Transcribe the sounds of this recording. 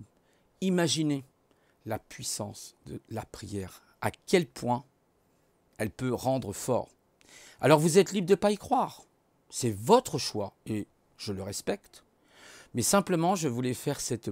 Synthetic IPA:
imaʒine | lapɥisɑ̰̃sd̪əlapχijɛʁ | akʲɛlpʰwɛ̃ | ɛlpøʁɑ̃d̪ʁəfɔ̰ːʁ | a̰lɔʁvuzɛt̪libʁd̪əpaikχwaʁ | sɛvɔt̪χəʃwae | ʒ̥ələʁɛspɛkt̪ | mɛsɛ̃pləmɑ̃ʒəvulɛfɛʁsɛt̪

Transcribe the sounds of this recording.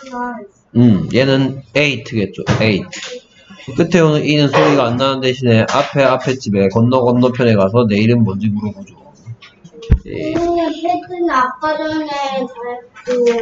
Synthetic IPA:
ɯmje̞nɯneitʰɯɡe̞t̚t͡ɕ͈oeitʰ | k͈ɯtʰe̞onɯʔinɯnsʰoɾiɡaːnːanɯndeɕʰine̞ʔapʰe̞apʰe̞t͡ɕʰibe̞kʌnːʌɡʌnːʌpʰjʌne̞kasʰʌne̞iɾɯnmʌnd͡ʑiɡuɾoɡud͡ʑo | jḛetɯnak͈ʌɾʌnetaɭko

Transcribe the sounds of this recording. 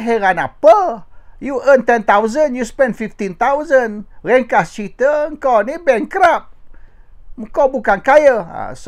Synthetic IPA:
ɦeɾanapəjuʔənt̪ɛnt̪awzənjuspɛndfift̪int̪awzənɾɛŋkat͡ʃit̪əəŋkonibɛŋkɾap̚ | əkobukankajəa̰s

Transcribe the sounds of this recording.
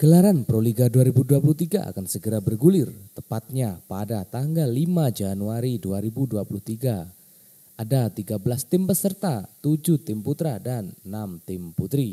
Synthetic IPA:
ɡ̥əlaɾanpɾoliɡaduaɾibuduapuluht̪iɡa̰ʔa̰kansəɡəɾabərɡulɪrt̪əpat̪̚ɲapadat̪aŋɡalːimad͡ʒanuaɾiduaɾibuduapuluht̪iɡa | ʔadat̪iɡabəlast̪ɪmpəsərt̪at̪ud͡ʒut̪ɪmput̪ɾadanːamt̪ɪmput̪ɾi

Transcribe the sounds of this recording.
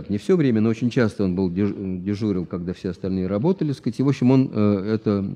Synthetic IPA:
k̪nʲɪfsʲo̞vɾʲemʲənoot͡ɕɪnʲt͡ɕast̪əo̞nbɨlˠdʲɪdʲɪʐuɾʲɪlˠkɐɡd̪afsʲeɐst̪ɐlʲnɨjəɾɐbo̞t̪əlʲɪskatʲɪvo̞pɕːɪmo̞nəɛt̪ə

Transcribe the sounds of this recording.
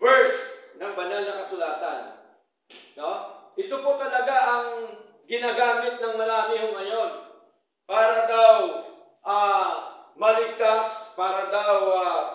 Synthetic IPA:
vɛɹsnɐŋbɐnalnɐkɐsʊlaːt̪a̰n | noʔɪt̪opot̪ɐlɐɡaʔɐŋ | ɡɪnaɡaːmɪt̪̚nɐŋmɐlaːɦɪhʊŋɐɲo̞n | paːɾɐd̪aw | ʔaːmɐlɪɡ̚t̪aspaːɾɐd̪awa

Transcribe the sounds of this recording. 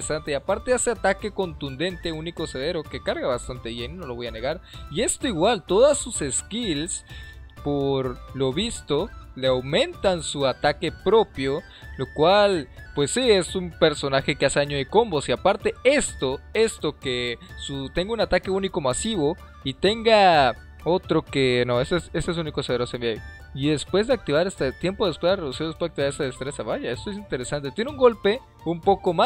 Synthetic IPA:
sant̪eapaɾt̪e̞aseat̪ake̞ko̞nt̪und̪e̞nt̪e̞uniko̞se̞ð̞e̞ɾo̞ke̞kaɾɣaβast̪ant̪e̞βje̞nino̞loβo̞jane̞ɣaɾie̞st̪oiɣwalt̪o̞ðasːuse̞skilspoɾlo̞βist̪o̞le̞awmẽ̞nt̪ansuat̪ake̞pɾo̞pjo | lo̞kwalpwe̞sːie̞sumpe̞ɾso̞naxe̞keaseaɲoejko̞mbo̞siapaɾt̪e̞e̞st̪oe̞st̪o̞kesut̪e̞ŋɡounat̪ake̞uniko̞masiβo̞ | it̪e̞ŋɡa | o̞t̪ɾo̞ke̞no̞esoese̞st̪ees̬unikoseeɾosoemiaj | iðe̞spwe̞zðe̞ak̚t̪iβaɾe̞st̪et̪je̞mpo̞ðespwezlaɾreðusiespeak̚t̪iβaɾest̪aðest̪ɾe̞saβaʝaest̪oes̬int̪e̞ɾesant̪et̪jenuŋɡo̞lpe̞ | umpo̞ko̞ma

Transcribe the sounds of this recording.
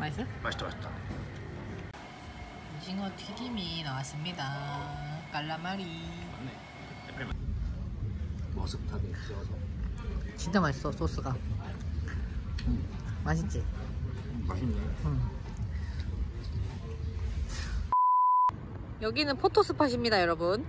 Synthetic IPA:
maɭs̬͈ɯmaɕit͈ma̰ɕit͈a̰ | ud͡ʑiŋʌtʰiɡiminawas͈ɯmɲida | kaɭːamaɾine | epʰe | mʌsʰɯptʰaɡieasʰʌ | t͡ɕint͡ɕ͈amaɭs͈ʌs͈os͈ɯɡa | maɕʰit͡ɕi | maɕʰiɲiɯ | jʌɡinɯnpʰotʰos͈ʰɯpʰaɕ̬ʰimɲidajʌɾʌbun

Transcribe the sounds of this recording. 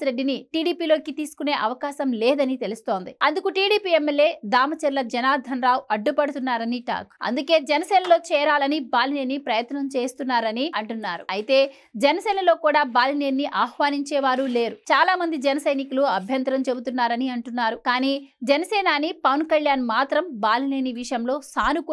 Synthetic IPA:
ɾeɖːiniʈiːɽiːpiːlo̞ːkit̪iːsu̥kune̞ːʔɐʋɐkaːʃɐmleːd̪ɐnit̪e̞lust̪o̞ːnd̪iɐnd̪ukuʈiːɽiːpiːemːeljeːd̪aːmɐt͡ʃɐɾlɐd͡ʒɛnaːd̪ʱɐnɾaːwɐɖːupɐɽut̪unːaːɾɐniʈa̰ːkɐ̰nd̪uke̞ːd͡ʒɛnɐsɛːnɐlo̞ːt͡ʃɛːɾaːlɐnibaːlineːnːipɾɐjɐt̪nɐmt͡ʃe̞ːst̪unːaːɾɐniɐɳʈunːaːɾṵɐjit̪e̞ː | d͡ʒɛnɐsɛːnɐlo̞ːkuːɽaːbaːlineːiʔaːhʋaːniɲt͡ʃɛːʋaːɾule̞ːɾut͡ʃaːlaːmɐnd̪id͡ʒɛnɐsɐjnikuluɐbʱjɐnt̪ɾɐmt͡ʃe̞but̪unːaːɾɐniɐɳʈunːaːɾukaːniːd͡ʒɐnɐsɛːnaːnipɐʋɐnkɐʎjaːnmaːt̪ɾɐmbaːlineːniʋiʂɐjɐmlo̞ːsaːnuku

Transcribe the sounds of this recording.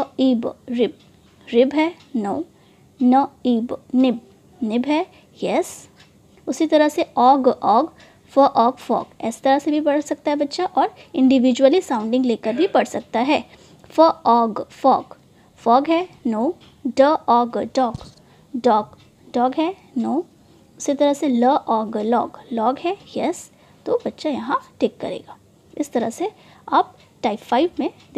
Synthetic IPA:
əiːbɾɪb̚ | ɾɪbɦɛː | noː | nəiːbnɪb̚ | nɪbɦɛː | jɛs | ʊsit̪ɐɾəɦseɔːɡɔːɡ | fəʔɔːɡfɔ̰ːɡɛ̰ːsi̥t̪ɐɾəsebʱipɐɽsɐk̚t̪aɦɛbɐtːʃaʔɔːɾɪ̃ɳɖɪʋid͡ʒwəlisãːʊ̃ɳɖɪ̃ŋɡleːkəɾbʱipɐɽsɐk̚t̪aɦɛː | fəɔːɡfɔ̰ːɡ | fɔːɡɦɛnoː | ɖəɔːɡɖɔːɡ | ɖɔːɡ | ɖɔːɡɦɛ | noː | ʊsit̪ɐɾəɦseləʔɔːɡlɔ̰ːɡlɔːɡɦɛːjɛs | t̪obɐtːʃajɐɦãʈeːkːɐ̰ɾḛːɡaː | ɪst̪ɐɾəse | aːp̚ | ʈaːɪpfaːɪʋmẽd̪

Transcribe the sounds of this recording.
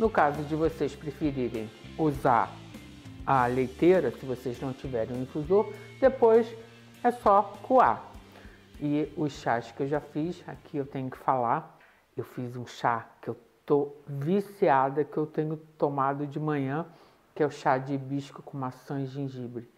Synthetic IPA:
nʊkazʊd͡ʒɪvosespɾefiɾiɾẽj̃ | uza̰ɾ | ɐlejt̪eɾɐsɪvoseznɐ̃w̃t͡ʃivɛɾẽj̃ĩfuzoɾd̪epojs | ɛsɔkua̰ | ɪʊsʃaskɪewʒafisa̰kʰiewt̪ẽɲʊkɪ̥fala | ewfizũʃakɪewt̪ovisiad̪ɐkɪewt̪ẽɲʊt̪omad̪ʊd͡ʒɪmɐ̃ɲɐ̃ | kɪɛʊʃad͡ʒɪbiʃkʊkõmasɐ̃ʒẽʒibɾɪ

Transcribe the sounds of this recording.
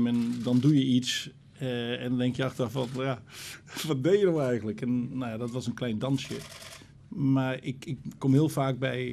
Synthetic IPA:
mɛndɔndujəits | ɛndɔndɛŋkjəaxtərɔfʋɔtjaʋɔt̚dejədɔwɛjɣəntləkɛnːojadɔtʋɔsənklɛjndɑnsjə | marɪkɪkːomhɪəlˠfaːk̚bɛj

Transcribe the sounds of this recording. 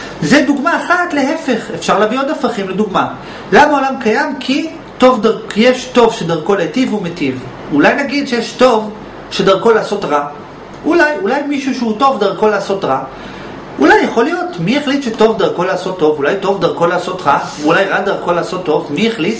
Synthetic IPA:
zeduɡmaːχatle̞ɦe̞fe̞χefʃaʁlaviod̪afaχimleduɡma | lamaolamkajamkʰi | to̞vdaʁjeʃto̞vʃedaʁko̞letivumetiv | ulajnaɡid̪ʃejeʃto̞v | ʃedaʁko̞laːso̞tʁa | ʔulajulajmiʃuʃeuto̞vdaʁko̞laːso̞tʁa | ʔulajːaχo̞lijo̞tmijeχlit̪ʃeto̞vdaʁko̞laːso̞t̪ːo̞vulajto̞vd̪aʁko̞laːso̞tʁavulajʁadaʁko̞laːso̞tːo̞vmieχlit̪

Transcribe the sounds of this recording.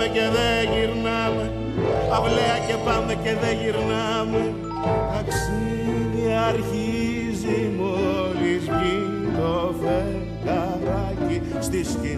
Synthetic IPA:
eceðeʝiɾnɐme | ɐvleɐce̞pɐmeceðeʝiɾnɐ | me | ɐks | i | ðiɐɾçi | zimoɾizmi | d̪ofe | kɐ | ɾɐ | ci | st̪isci

